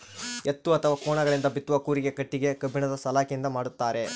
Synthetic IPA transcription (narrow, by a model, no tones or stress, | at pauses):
et̪ːuɐt̪ʰɐʋaːkɔːɳɐɡɐɭind̪ɐbit̪ːuʋɐkuːɾiɡekɐʈːiɡe̞kɐbʱːiɳɐd̪ɐsɐlaːkijind̪ɐmaːɽut̪ːaːɾe̞